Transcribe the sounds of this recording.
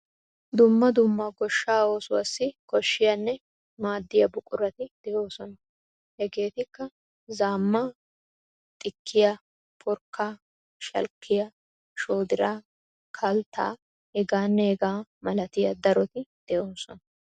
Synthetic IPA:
d̪ʊmːɐd̪ʊmːɐɡɔʃːaːo̞ːsʊwɐsːɪkɔʃːɪjɐnːɛ | maːd̪ːɪjɐbʊkʼʊɾɐt̪ɪd̪̥ɛʔo̞ːsɔnɐ | hɛɡe̞ːt̪ɪkːɐ | zaːmːa | t̪ʼɪkʰːɪjɐ | pʰʊɾkːaː | ʃɐ̰lkːɪjɐ | ʃoːd̪ɪɾaː | kʰɐlt̪ːa̰ː | ɛɡaːnːɛɛɡaːmɐlɐt̪ɪjɐd̪ɐɾɔt̪ɪd̪̥ɛʔoːsɔnɐ

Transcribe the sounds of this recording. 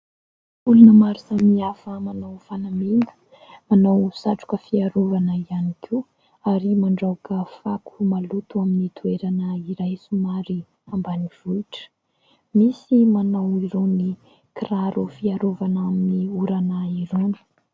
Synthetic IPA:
ulunəmaɾisamiafəmanawfanamind̪ə̥ | manawsaʈ͡ʂu̥kəfiaɾovanəianikʰiw | aɾimaɳɖ͡ʐakəfakʰu̥malut̪uaminit̪ʰueɾanəiɾajsumaɾi | ambaniv̥uiʈ͡ʂə̥ | misimanawiɾoni | kiraɾufiaɾovanaminiuɾanaiɾonə̥

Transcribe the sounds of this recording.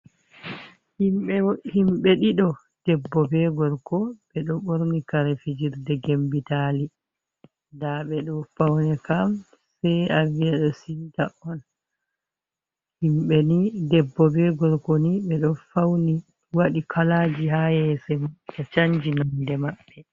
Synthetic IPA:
himɓɛhimɓɛɗiɗɔ | d̥ɛbːɔbɛɡɔɾkɔɓɛɗɔɓoɾnikaɾɛfid͡ʒiɾdɛɡembitali | daɓɛɗɔfawnɛkam | sɛjaviaɗɔsitaʔɔn | himɓɛnidɛbːɔbɛɡɔɾkɔniɓɛɗɔfawni | waɗikʰalad͡ʒiɦajɛsɛmkat͡ʃaɲd͡ʒinɔndɛmaɓːɛ

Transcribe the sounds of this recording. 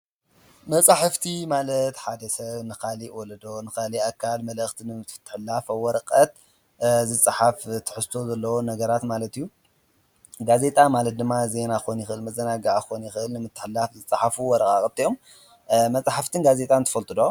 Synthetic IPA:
mɐt͡sʼaħɨft̪ʰimalɐt̪ħad̪ɐsɐβnɨkʰaliwɔlɐd̪o̞nɨxaliakʰːalmɐlɐxt̪ʰinɨmɨt̪ʰːɨ̥ħɨlːafɐwɔɾɐkʼɐt̪̚ | zɨt͡sʼɨħaft̪ʰɨ̥ħɨst̪ʰo̞zɐlːɐwonɐɡɐɾat̪malɐt̪ijːu | ɡaze̞t̪ʼamalɐt̪̚d̪ɨmːaze̞naxonjɪxɨʔɨlmɐzɐnaɡaʔxonjɪxɨʔɨlnɨmɨt̪ʰːɨ̥ħɨlːafzɨt͡sʼaħafuwɔɾɐkʼakʼɐb̚t̪ʰijo̞m | mɐt͡sʼaħaft̪ʰɨnɡaze̞t̪ʼant̪ʰɐ̥fɐlt̪ʼɨd̪o

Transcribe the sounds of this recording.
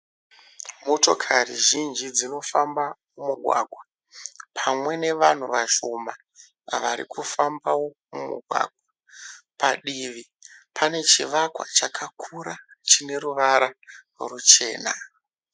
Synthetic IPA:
mo̞to̞kʰariʒind͡ʒid͡zino̞fambamumuɡʱwa̰ːɡʱwa | pʰamwe̞ne̞ʋan̤uʋaʃoma | ʋaɾḭkʰufambawo̞mumṵɡʱwa̰ɡʱwa | paɗiʋi | pʰane̞t͡ʃiʋakwa̰t͡ʃakʰakʰuɾat͡ʃine̞ruʋaɾa | rut͡ʃe̞̰ːna

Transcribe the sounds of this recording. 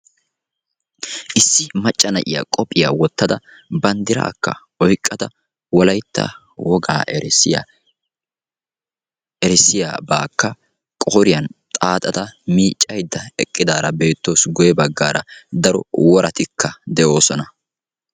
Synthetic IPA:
ʔɪsːɪmɐt͡ʃʼːɐnɐʔɪja̰kʼɔpʼːɪjaːwɔt̪ːɐd̪ɐ | bɐnd̪ɪɾa̰ːkːɐ̰ | ɔjkʼːɐd̪ɐ | wɔlɐjt̪ːɐ̰ | wɔɡa̰ː | ɛɾɪsːɪja̰ːbaːkːɐ | kʼɔːɾɪjɐnt̪ʼaːt̪ʼɐt̪ɐmiːt͡ʃʼːɐjd̪ːɐɛkʼːɪd̪aːɾɐbe̞ːt̪ːoːsɡɔjɛbɐɡːaːɾɐ̰d̪ɐɾɔ̰wɔɾʔɐt̪ɪkːɐd̪ɛʔo̞ːsɔnɐ

